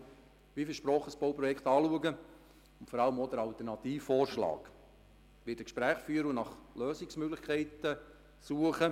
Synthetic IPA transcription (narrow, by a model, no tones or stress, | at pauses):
ʋifɪʃpɾɔːχəsb̥oʊpɾɔjɛkχt̪ɑːluəɡə | ʊntfɔɾɑləmoːd̪əɾɑlt̪ərnɑt̪iːffɔːrʃlɑ̰ːk | ʋɪtəkʃpɾæːχfyːəɾəunɑχløːsɪksmøɡlɪχkʰɛɪtə | suəχə